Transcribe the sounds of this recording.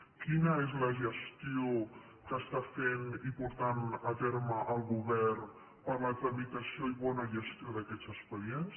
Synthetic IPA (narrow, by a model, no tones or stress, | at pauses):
kinaez̬laʒest̪io | kast̪afenimpoɾt̪anat̪eɾmaʔalɡuβɛɾn | paɾlat̪ɾamit̪asiojβonaʒest̪ioðaket͡saspaɾjens